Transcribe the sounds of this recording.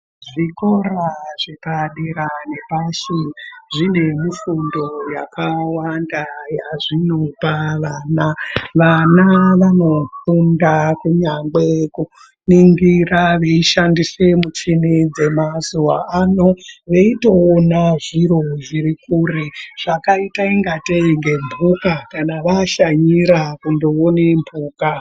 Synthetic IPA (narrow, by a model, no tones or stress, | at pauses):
ʐikoraʐepaɗiɾanepaʃiʐine̞mufundo̞jakawandajaʐino̞paʋanaʋanaʋano̞θundakuɲaŋɡ͡be̞ku | niŋɡiraʋeiʃandisemut͡ʃinid͡ze̞mazuwa̰anoʋe̞ito̞ːnaʐiɾo̞ʐiɾikureʐ̥akaitaiŋɡateɡʱe̞mbʱukakanaʋaʃaɲiɾakundoonembʱuːka